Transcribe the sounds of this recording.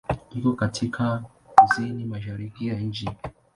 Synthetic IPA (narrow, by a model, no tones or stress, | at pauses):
ikɔkatʰikʰa | kuzinimaʃ̬aɾikijaɲ̩d͡ʒi